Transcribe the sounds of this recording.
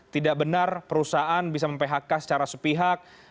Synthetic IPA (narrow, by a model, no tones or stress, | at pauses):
t̪idaʔbənarpəɾusaʔanbisaməmpeɦakasə̥t͡ʃaɾasəpiɦak̚